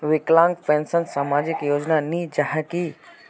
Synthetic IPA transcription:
ʋɪklãːŋɡpʰẽːnsənsɐmaːd͡ʑɪkjoːd͡ʒnanĩd͡ʒaɦɛki

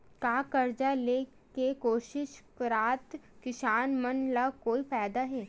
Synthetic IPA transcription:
kaːkɐɾd͡ʒaleː | kekoːʃɪʃkɾaːt̪ | kɪʃaːnmɐnlakoːifɛːd̪aɦɛː

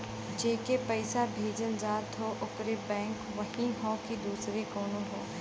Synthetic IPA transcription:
d͡ʒeːkepɛɪsabʱeːd͡ʒənd͡ʒaːt̪ɦoʔʊpɾebɛ̃ːŋkʋɐɦĩɦõːkid̪uːsɾekoːnõɦoː

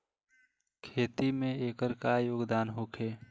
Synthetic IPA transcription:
kʰeːt̪imẽeːkəɾkajoːɡd̪aːnɦokʰeː

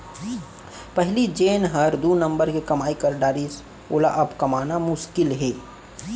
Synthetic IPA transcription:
pəɦlid͡ʒeːnɦəɾd̪unə̃mbəɾkekɐmaːikəɾɖaːɾis | oːla̰ʔɐbkɐmaːnamʊʃkɪlɦeː

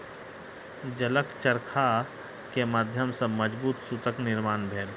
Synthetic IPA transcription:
d͡ʒələkt͡ʃəɾkʰa | kemaːd̪ʱjəmsə̃məd͡ʒbuːt̪sut̪əknɪɾmaːnbʱeːl

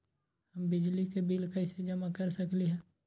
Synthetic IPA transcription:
hɐmbɪd͡ʒlikebɪlkɐɪsed͡ʒɐmakɐɾsɐkliɦɛ̃ː

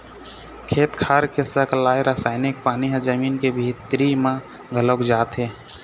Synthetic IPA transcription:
kʰeːt̪kʰaːɾkesəklaːeɾasaːɪnɪk̚paːniɦə̃d͡ʒəmiːnkebʱiːt̪ɾimã | ɡʱəlokd͡ʒaːt̪ɦeː

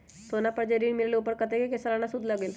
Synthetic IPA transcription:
sonapəɾd͡ʒeɾiːɳmileleupəɾkət̪ekekesəlañasud̪ʱləɡeːl

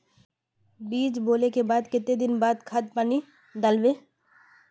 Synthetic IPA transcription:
biːd͡ʒboːlekebaːd̪kɪt̪ed̪ɪnbaːd̪kʰɐd̪̚paːni | d̪ɐlʋeː

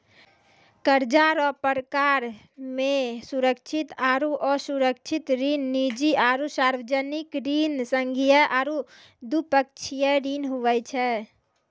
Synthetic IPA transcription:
kəɾd͡ʒaɾɔːpəɾəkaɾ | mẽsuɾəkt͡ʃʰit̪aːɾuʔɔɾsuɾək̚t͡ʃʰit̪ɾinːid͡ʒiʔaɾusaɾʋəd͡ʒənikɾinsə̃ŋɡʱijəʔaɾu | d̪upək̚t͡ʃʰijəɾiːnɦuʋɛt͡ʃʰɛ

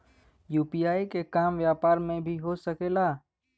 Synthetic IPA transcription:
juːpiːaːikekaːmʋjaːpaːɾmẽbʱiɦosɐkeːlaː

